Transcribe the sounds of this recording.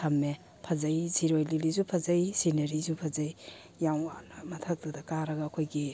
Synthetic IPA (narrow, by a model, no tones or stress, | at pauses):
tʰɐmːe | pʰɐzɐjziɾojlilizupʰɐzɐjsinɐɾizupʰɐzɐj | jawanɐmɐtʰɐk̚dudɐkaɾɐɡɐːkʰojɡi